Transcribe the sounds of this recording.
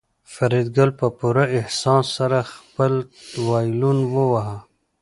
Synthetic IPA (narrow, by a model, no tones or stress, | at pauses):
faɾid̪ɡalpəpuɾaɪhsɑsːaɾaxpəlt̪wɑjlunwəwaɦa